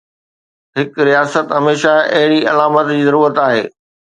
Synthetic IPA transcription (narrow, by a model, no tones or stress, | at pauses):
ɦɪkɾijaːsət̪ɦɐmeːʃaɐɦɪɽiɐlaːmət̪d͡ʑiːzɐɾuːɾət̪aːɦḛː